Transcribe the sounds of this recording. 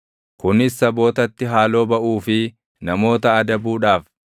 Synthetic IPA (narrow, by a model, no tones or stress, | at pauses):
kʊnɪsːɐbo̞ːt̪ɐt̪ːɪɦaːlo̞ːbɐʔuːfɪ | nɐmo̞ːt̪ɐːd̪ɐbuːᶑaːf